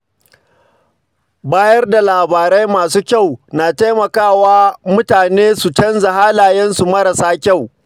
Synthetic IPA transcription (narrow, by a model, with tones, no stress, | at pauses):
baː˦jɐ˦rda˨laː˨baː˨ɾa˦jmaː˨suː˦kʲa˦˨wnaː˨ta˦jmɐ˨kaː˦˨waː˦mʊ˦taː˨neː˦su˨t͡ʃɐ˦nza˨ɦaː˦laː˨jɛ˦nsu˨mɐ˦ɾɐ˨saː˦kʲa˦˨w